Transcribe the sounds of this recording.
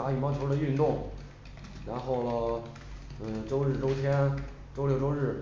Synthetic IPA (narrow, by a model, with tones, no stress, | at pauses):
a˧˥y˨˩mɑ˥˧ʊt͡ɕʰy˥˧nt̪ʊ˥˩ŋ | ɻa˧˥nxo˥˩ʊlə˩˧˩ | ʈ͡ʂo˥ʊɻɻ̩˥˩ʈ͡ʂo˥ʊt̪ʰjɛ˥n | ʈ͡ʂo˥ʊljo˥˧ʊʈ͡ʂo˥ʊɻɻ̩˥˩